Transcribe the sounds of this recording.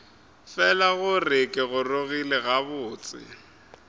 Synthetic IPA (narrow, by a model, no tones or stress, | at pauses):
fɛlaɣʊrɪkʼɪɣʊroɣilɪɣaβʊːt͡sʼɪ̰